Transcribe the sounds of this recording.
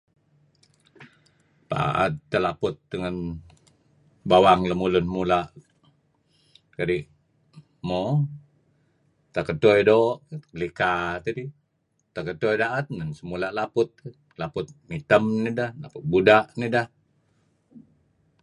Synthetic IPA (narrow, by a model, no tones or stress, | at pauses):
pa̰ʔa̰t̪ːəlapʊt̪̚dəŋən | bawaŋləmulʊnmulaʔ | kaɾiʔ | mo | t̪akət̪ojdoʔəlikat̪adi | t̪akətojdaʔət̪̚nənsəmulalapʊt̪̚ | lapʊt̪̚mit̪əmnidahlapʊt̪̚budaʔnidah